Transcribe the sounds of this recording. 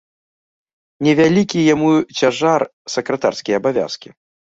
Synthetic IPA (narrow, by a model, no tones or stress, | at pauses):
nʲɛvʲalʲikʲijamut͡sʲaʐar | sɐkɾɐt̪arskʲɛjɐabavʲa̰skʲi